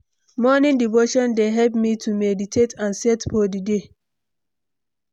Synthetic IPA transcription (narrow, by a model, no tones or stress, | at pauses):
mɔnĩndivoʃɔ̃ndeɦɛlpmitʰumɛditʰetãnsɛtfɔdide